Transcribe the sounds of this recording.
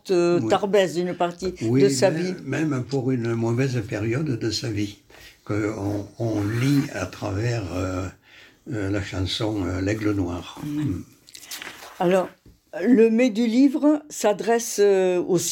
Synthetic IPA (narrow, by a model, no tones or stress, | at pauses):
t̪ət̪aʁbɛzynpaʁt̪iwid̪əsavimɛmpuʁynəmɔvɛzpeʁjɔd̪d̪əsavikəɔ̃ɔ̃lia̰t̪χavɛʁø | laʃɑ̃sɔ̃ølɛɡlənwaʁ | alɔʁ | ləmed̪ylivʁəsad̪ʁɛsos